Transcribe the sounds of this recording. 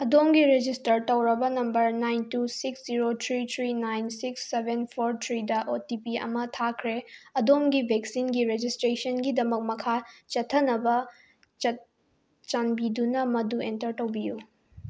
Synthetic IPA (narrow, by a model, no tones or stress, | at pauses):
ɐdomɡiɾed͡ʒistɐɾtɐwɾɐbɐnɐmbɐɾnajntusiksd͡ʒiɾotʰɾit̪ʰɾinajnsiksːebʱenpʰoɾtʰɾidɐʔotipiɐ̰mɐtʰakʰɾeɐdomɡibʱek̚sinɡiɾed͡ʒistɾesɐnɡidɐmɐk̚mɐkʰat͡ʃɐtʰːɐnɐbɐ | t͡ʃɐ | t͡ʃanbidunɐmɐduentɐɾtɐwbiju